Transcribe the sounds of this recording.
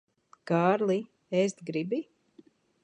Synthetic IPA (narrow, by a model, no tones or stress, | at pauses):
kaːɾlˠi | est̪ɡɾibi